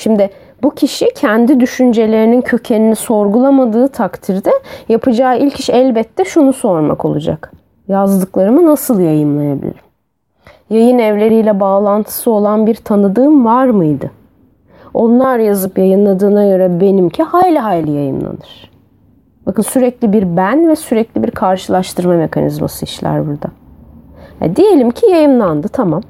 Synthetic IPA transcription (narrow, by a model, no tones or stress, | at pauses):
ʃimd̪ɪ | bucʰiʃicʰænd̪id̪yʃynd͡ʒe̞lʲe̞ɾinincʰø̞cʰe̞niniso̞ɾɡulˠamad̪ɯːt̪ʰakt̪ʰiɾd̪ɛjapʰɯd͡ʒaːilʲcʰiʃɛlʲbɛt̪ːɛʃunuso̞ɾma̰ko̞̰lˠud͡ʒa̰k | jazd̪ɯklˠaɾɯmɯnasɯlˠjajɯnlˠajabḭlʲḭɾim | jajɯnɛvlʲe̞ɾijlʲɛbaːlˠant̪ʰɯ̥sɯo̞lˠanbiɾt̪ʰanɯd̪ɯːmvaɾmɯjd̪ɯ | o̞nlˠaɾjazɯpjajɯnlˠad̪ɯːnaɟø̞ɾɛbe̞nimcʰihaːjlʲiɦaːjlʲajajɯmlˠa̰nɯɾ̥ | bakɯnsyɾɛclʲibiɾbænvɛsyɾɛclʲibiɾkʰaɾʃɯlˠaʃt̪ʰɯɾmame̞kʰanḭzma̰sɯiʃlʲæ̰ɾbuɾd̪a | hɛ̰d̪ije̞lʲimcʰijajɯmlˠand̪ɯt̪ʰamam